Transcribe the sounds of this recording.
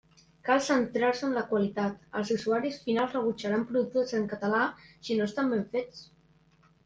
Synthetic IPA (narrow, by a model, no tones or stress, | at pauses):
kalˠsənt̪ɾaɾsəːnləkwalit̪at̪ə̰lˠzusuaɾisfinalˠzrəβ̞ut͡ʃaɾampɾuðut̪ozəŋkət̪əlasinost̪ambeɱfet͡s